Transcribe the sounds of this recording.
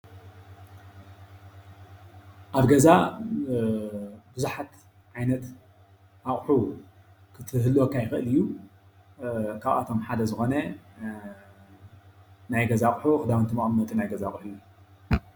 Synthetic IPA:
ʔaβɡɐza | bɨzuħat̪ | ʕajnɐt̪ | ʔaχʼħu | kʰɨt̪ʰɨɦɨlːwokʰːajɪxɨʔɨlɨjːu | kʰaβa̰t̪ʰo̞mħad̪ɐzɨxo̞nɐ | najɡɐzaχʼħuxɨd̪awɨnt̪ʰɨmaʔʼmɨnːɐt̪ʼinajɡɐzaχʼħu

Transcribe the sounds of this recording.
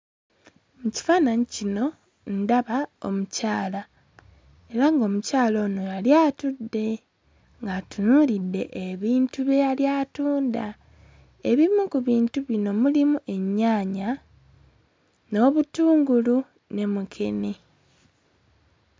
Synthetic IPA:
muci̥faːnaɲicino̞ | ndaβao̞̰mucaːla | e̞ɾaŋɡo̞mucaːlo̞ːno̞jaljaːtudːe̞ | ŋɡatunuɾidːe̞̰ʔeβiːntuβejaljatuːnda | e̞βimukuβiːntuβino̞mulimuʔe̞ɲːaːɲa | no̞ːβutuːŋɡulu | ne̞mukʰe̞̰ne

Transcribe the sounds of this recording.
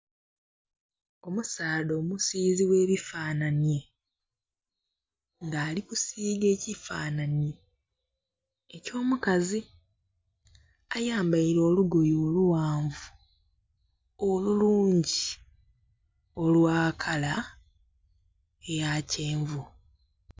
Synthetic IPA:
o̞musaːdo̞ːmusiːziwe̞ːβifaːnanje̞ | ŋɡaːlikusiːɡe̞ːcifaːnanje̞ | co̞ːmukazi | ajaːmbajiɾo̞ːluɡojoːluwaːɱvu | oluluːɲɟi | o̞lwaːkʰala | ejaːceːɱvu

